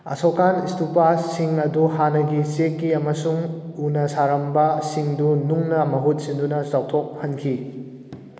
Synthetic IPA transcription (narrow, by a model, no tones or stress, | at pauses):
ɐ̰sokanistupasiŋɐduhanɐɡisekːiɐmɐsuŋunɐsaɾɐmbɐsiŋdunuŋnɐmɐɦut̚sindunɐsaw̚tʰok̚hɐnkʰi